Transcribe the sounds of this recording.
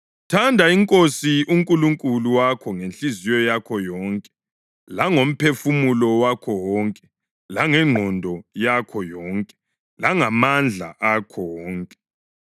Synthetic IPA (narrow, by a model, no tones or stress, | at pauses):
tʰandʱaiŋkʼosiuŋkʼuluŋkʼuluwakʰɔŋenɬizijɔjakʰɔjɔːŋkʼɛ̥ | laŋom̩pʰefumulɔwakʰɔwɔːŋkʼɛ | laŋɛŋ͡ǃʱɔndʱɔjakʰɔjɔːŋkʼɛ̥ | laŋamand͡ɮʱa̰ʔakʰɔwɔːŋkʼɛ̥